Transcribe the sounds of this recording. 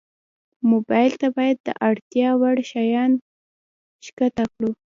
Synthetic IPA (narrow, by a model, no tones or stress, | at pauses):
mobɑjɪlt̪abɑjad̪ːə̰ʔaɽt̪jɑwaɽʃajɑn | ʃkat̪akɽu